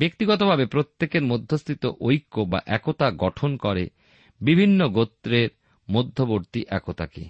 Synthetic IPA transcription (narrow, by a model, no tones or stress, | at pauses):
bek̚t̪iɡɔt̪obʱabepɾot̪ːekeɾmod̪ʱːost̪it̪oʔojkːoba̰ʔɛkot̪aɡɔʈʰonkɔɾe | bibʱinːoɡot̪ːɾeɾ | mod̪ʱːoboɾt̪iʔɛkot̪a̰kḛ